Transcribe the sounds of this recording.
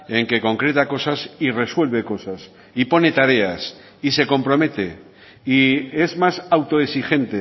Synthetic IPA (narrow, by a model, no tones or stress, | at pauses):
e̞ŋke̞ko̞ŋkɾe̞t̪ako̞sasire̞swe̞lβe̞ko̞sas | ipo̞ne̞t̪aɾe̞as | ise̞ko̞mpɾo̞me̞t̪e̞ | ie̞zmasawt̪o̞esixe̞nt̪e